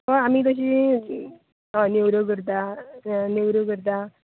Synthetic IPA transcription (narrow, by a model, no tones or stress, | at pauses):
ɦə̃amiːt̪əɕ̬iː | anewɾəkəɾt̪a | newɾəkəɾt̪̬a